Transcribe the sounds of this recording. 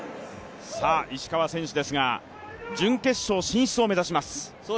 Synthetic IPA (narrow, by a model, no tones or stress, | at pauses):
saːʔiɕi̥kaβasẽ̞ɕid̪e̞sɨɡa | d͡ʑɨ̃ŋke̞ɕːo̞ːɕĩɰ̃ɕt͡sɨo̞me̞zaɕimasɨ̥